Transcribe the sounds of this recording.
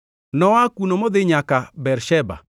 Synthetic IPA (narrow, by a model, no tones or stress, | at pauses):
nɔakunomod̪ɪɲakabɛɾʃɛba̰